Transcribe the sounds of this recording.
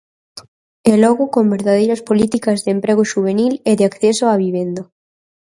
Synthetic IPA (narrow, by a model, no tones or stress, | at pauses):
elɔɣʊkombeɾðað̞ejɾɐspolit̪ikɐzðeempɾeɣʊʃuβ̞enileðeakθesoaβiβ̞end̪a